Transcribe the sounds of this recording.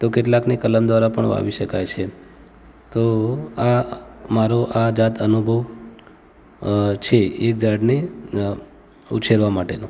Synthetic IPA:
t̪okeʈlaknekələmd̪ʋaɾapəɳʋa̰ʋiʃəkajt͡ʃʰe | t̪oamaɾoʔad͡ʒat̪ʰənubʱəʋ | t͡ʃʰeek̚d͡ʒaɽne | ṵt͡ʃʰeɾʋamaʈeno

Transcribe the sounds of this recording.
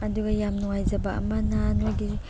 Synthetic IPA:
ɐduɡɐjamnuŋajzaba̰mananaɡi

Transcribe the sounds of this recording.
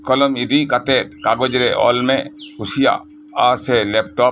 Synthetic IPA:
kɔlɔmid̪ikat̪ɛt̪̚kaɡɔd͡ʒɾɛʔɔ̰lmɛkusija̰ | asɛlɛp̚ʈɔ

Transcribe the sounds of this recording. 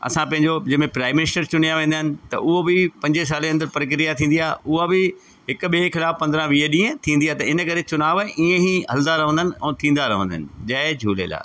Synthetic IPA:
ɐ̰sãpɐ̃ɦɪ̃ɲd͡ʑod͡ʑɐmẽpɾaːɪmːɪnɪsʈəɾt͡ɕʊn̤ijaʋẽːnd̪aɦɪnɪ̆t̪ɐ̰ʔʊɦobɪpɐ̃ɲd͡ʑes̬aːleɐ̃nd̪əɾpɾək̬ɾijat̪ʰĩːn̆d̪ijaːʊɦabɪ | ɦɪkʊɓekʰɪlaːfpɐ̃nd̪ɾãʋiːɦəɗĩːə̃t̪ʰĩːnd̪iaːt̪ɐɪnəkɐɾet͡ɕʊnaːʋʔiːẽɦiɦɐld̪aɾɐɦə̃nd̪ənɪ̆ɛ̃ːt̪ʰĩːnd̪aɾɐɦə̃nd̪ənɪ̆d͡ʑɐd͡ʑʱuːlḛːla̰ː

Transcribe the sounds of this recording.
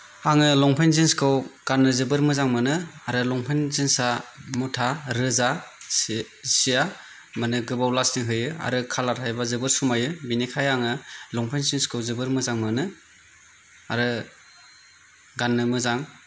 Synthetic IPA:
aŋɯlɔŋpʰejnzinskʰɯwɡ̥anːɯzɯbɯɾmɯzaŋmɯnɯaɾɯlɔŋpʰɯnzinsamutʰaɾɯza | sija | mɯnɯɡɯbawlasniɦɯjɯa̰ɾɯkʰalaɾʰajbazɯbɯɾsumajɯbinikʰajaŋɯlɔŋpʰejnzinskʰɯwzɯbɯɾmɯzaŋmɯnɯ | a̰ɾɯ | ɡanːɯmɯzaŋ

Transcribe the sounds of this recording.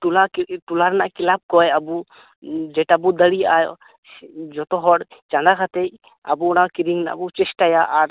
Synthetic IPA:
ʈulaʈulaɾnaʔkilab̚kɔjabu | d͡ʒɛʈabud̪əɽijaj | d͡ʒɔt̪ɔɦɔɽt͡ʃand̪akʰat̪ɛj | ə̰buɔɽ̃akiɾiŋna̰ʔbut͡ʃɛsʈajaʔːɾ

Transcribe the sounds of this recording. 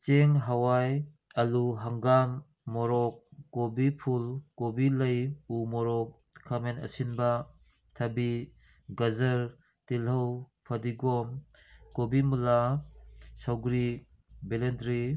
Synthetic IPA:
t͡ʃeŋɦawaj | aluɦaŋɡamː | ɔɾɔkːobipʰulkobiləjumɔɾɔk̚ʰː | amenɐ̰sinba | tʰabi | ɡazəɾ | tilɦaw | pʰadiɡɔm | kobimula | sawɡɾi | belendɾi

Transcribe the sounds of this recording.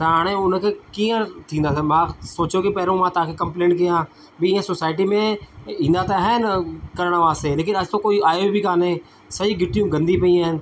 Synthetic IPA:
t̪aːɽ̃ẽʊnkʰeːkiːə̃t̪ʰĩːnd̪aːs̬ɛmãsoːt͡ʃjokipɛːɾõmãt̪ɐãːkʰekɐ̃mplẽːɳʈ̚kijãː | biɪːə̃sosaːɪʈimẽĩːn̆d̪at̪aɦɛnkɐɾəɽ̃ʋaːst̪eleːk̬ɪnɐst̪õkoːiaːjobʱikaːne | sɐɦiɡɪʈijũːɡɐ̃nd̪ipɐĩãːɦɪnɪ̆

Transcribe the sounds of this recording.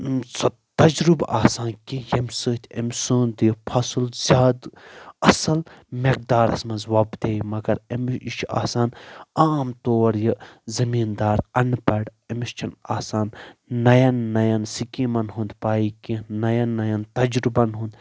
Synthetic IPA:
sɐ | t̪ɐd͡ʒɾubaːsaːnkĩjɐmʲsɨːt̪ʰʲɐmʲsuːnd̪jpʰɐsɨlzʲjaːd̪ɐsɐlmek̚d̪aːɾɐ̰smɐ̃zwaːbd̪eːjmɐɡɐɾemt͡ʃʰa̰ːsaːnaːmt̪oːɾjɨzɐmiːnd̪aːɾɐnpɐɽɐmist͡ʃʰɐnaːsaːnːɐjɐnːɐjɐnsikiːmɐnɦũːnd̪paːikinɐjɐnːɐjɐnt̪ɐd͡ʒɾubɐnɦũːnd̪

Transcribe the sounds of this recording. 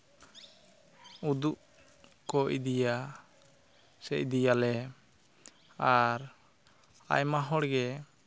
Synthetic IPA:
ud̪uʔ | kɔʔd̪ija | sɛc̚d̪ijalɛ | aɾ | a̰jmaɦɔɽɡɛ

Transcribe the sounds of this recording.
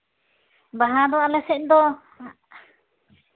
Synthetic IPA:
baɦãd̪ɔalɛsɛʔd̪ɔ

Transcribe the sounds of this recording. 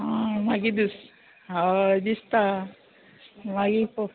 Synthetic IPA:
ãmaɡid̪us | ad͡ʒist̪a | maɡipo

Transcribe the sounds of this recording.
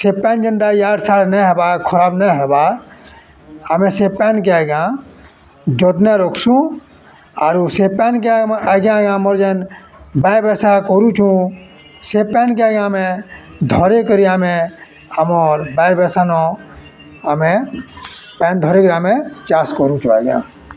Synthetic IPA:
sepɛːnd͡ʒənd̪ajaːɽsaɾneɦeːbakʰəɾaːbneɦeba | amẽsepɛːnk̬eaɡã | d͡ʒoːt̪nẽɾokʰsũ | aːɾusepɛnk̬eaɡãɡãmoɾd͡ʒen | babeːsakoɾũt͡ʃʰũ | sepɛːnkaɡãmẽd̪ʱɔɾekəɾiamẽ | əmɔɾbɛɾbɛsanɔ | əmẽ | pɛːnd̪ʱɔːɾekɾamẽt͡ʃaːskoɾũt͡ʃʰũaːɡã̰ː

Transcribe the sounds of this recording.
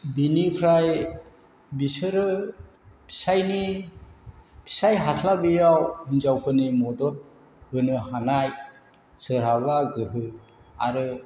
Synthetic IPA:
binipʰɾaj | bisɯɾɯ | pʰi̥sajni | pʰi̥sajɦatʰlabijawunzawkʰɯnimɔdɔt̚ | hɯnɯhanaj | sɯɾɦaɡaɡɯɦɯ | a̰ɾɯ

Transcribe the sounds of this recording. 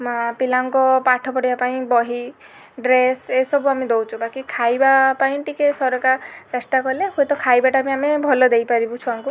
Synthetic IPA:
mapilaŋkɔpaʈʰɔpɔɽibapaĩbɔɦi | ɖɾesesɔbuamid̪ɔwt͡ʃʰubakikʰajbapaĩʈikesɔɾɔkaɾesʈakɔleɦoet̪ɔkʰajbaʈamiamebʱɔlɔd̪ejpaɾibut͡ʃʰuaŋku

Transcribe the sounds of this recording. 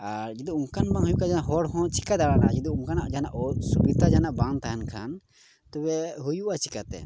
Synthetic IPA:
aɾd͡ʒɛd̪uuŋkanbaŋhujukad͡ʒanaʔɦɔɽhɔ̃t͡ʃʰi̥kad̪aɽana̰ʔad͡ʒɛd̪uuŋkanaʔd͡ʒanaʔsubit̪ad͡ʒanaʔbant̪aɦankʰa̰n | t̪ɔbɛɦujuʔat͡ʃʰi̥kat̪ɛ̰

